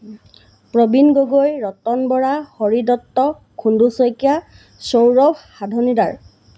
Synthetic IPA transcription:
pɹobinɡoɡojɹɔtɔnbɔɹahoɹidɔtːɔ | kʰundusojkija | sowɹɔbʰʱxadʱonidaɹ

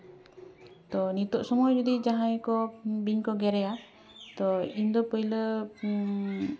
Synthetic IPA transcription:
t̪ɔnit̪ɔʔsɔmɔjd͡ʒɔd̪id͡ʒaɦãjkɔbiɲkɔɡɛɾɛja | t̪ɔind̪ɔpəjlə

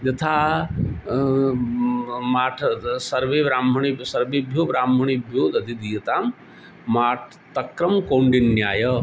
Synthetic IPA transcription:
d͡ʒɐt̪ʰaː | maːʈʰɐsɐɾʋeːʋɾaːmɐɳisɐɾʋeːbʱjoːɾaːmɐɳ̃ibʱjoːd̪ɐd̪id̪ijɐt̪aːmː | aːʈʰ | t̪ɐkɾɐmkoːɳɖinːjaːjɐ

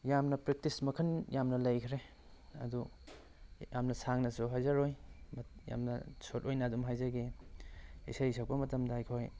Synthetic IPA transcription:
jamnɐpɾek̚tismɐkʰɐnjamnɐlɐjkʰɾe | ɐ̰du | jamnɐsaŋnɐsuɦajzaɾojmja̰mnɐ̰sotojnɐːdumɦajzaɡi | ḭsajs̬ak̚pɐmɐtɐmdɐajkʰoj

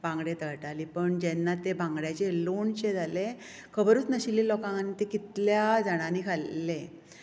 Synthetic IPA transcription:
bãŋɡɽet̪əɭʈaliːpəɳd͡ʑɛnːat̪ebãŋɡɽjat͡ɕeloɳt͡ɕed͡zʱale | kʰəbɾuːt͡snəɕiliːlɔkãŋnːiːt̪ekit̪ljad͡zəɽ̃aniːkʰalːe

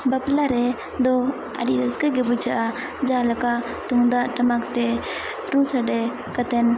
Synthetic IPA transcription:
baplaɾɛ | d̪ɔ | ə̰ɖiɾəsɡaɡɛbud͡ʒaʔa | d͡ʒalakaʔ | t̪uŋd̪aʔʈamakt̪ɛ | ɾusaɖɛ | kat̪ɛn

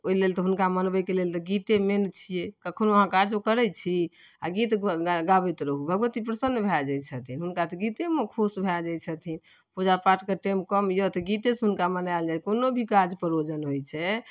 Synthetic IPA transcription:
oilelt̪ɔɦunkamənbəjkelelt̪ɔɡit̪ement͡ʃʰijekəkʰənuəɦãkad͡ʒokəɾɛt͡ʃʰi | aɡit̪ɡabɛt̪ɾəɦubʱəɡʋət̪ipɾəsənːbʱɛd͡ʒajt͡ʃʰət̪ʰinɦunkat̪ɔɡit̪eməkʰusbʱɛd͡ʒajt͡ʃʰət̪ʰin | pud͡ʒapaʈkəʈemkəmjot̪ɔɡit̪esɦunkamənald͡ʒakonobʱikad͡ʒpəɾod͡ʒənɦojt͡ʃʰɛ

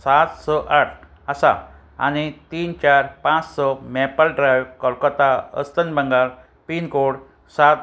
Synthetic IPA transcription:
sat̪sɔʔaʈʰ | əsa̰ | a̰ñit̪iːnt͡ɕaɾpãt͡ssɔmɛpəlɖɾajʋkɔlkɔt̪aə̰st̪ənbəŋɡal | pinkoɽ | sat̪

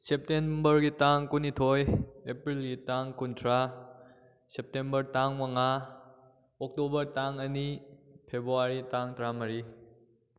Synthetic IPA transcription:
sep̚tenbɐɾɡitaŋkunitʰojepɾilɡitaŋkuntʰɾa | sep̚tembɐɾtaŋmɐŋa | ɔk̚tobɐɾtaŋɐnipʰebɾuaɾitaŋtɐɾamɐɾi

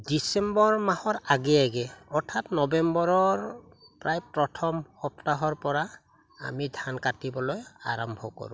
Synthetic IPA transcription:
disɛmbɔɹmahɔɹaɡɛjaɡɛɔɹtʰatnɔbɛmbɔɹɔɹ | pɹajpɹɔtʰɔmxɔptaɦɔɹpɔɹa | a̰midʱankatibɔloja̰ɹɔmbʱɔkɔ̰ɹʊ̰̃

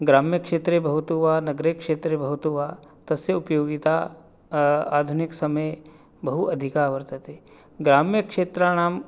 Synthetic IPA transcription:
ɡɾaːmjɐkʂeːt̪ɾeːbɐɦut̪uːʋaːnɐɡɾekʂeːt̪ɾebɐɦut̪uːʋaːt̪ɐsjɐupjoːɡit̪aː | aːd̪ʱuniksɐmɐj | bɐɦuʔɐd̪ʱikaːʋɐɾt̪ɐt̪eː | ɡɾaːmjɐkʂeːt̪ɾaːnaːm

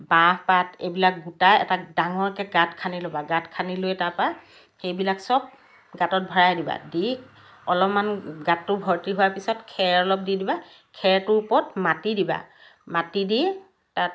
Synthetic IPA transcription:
bahpatejbilak̚ɡutajɛ̰tadaŋɔɹkɛɡatkʰanilobaɡatkʰanilojtapa | xejbilaksɔb̚ | ɡatɔt̚bʱɔɹajdiba̰di | ɔlɔpmanɡatːʊbʱɔɹtiɦʊwapisɔtkʰɛɹɔlɔp̚didiba | kʰɛɹtʊpɔtmatidiba̰ | matidi | tat

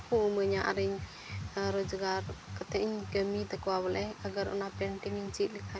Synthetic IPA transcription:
kuuməɲaʔa̰ɾiɲ | ɾɔd͡ʒəɡarkət̪ɛʔiɲɡəmit̪əkuwabəlɛaɡaɾṵnapɾɛɳʈiŋiɲt͡ʃiʔ̪likʰa

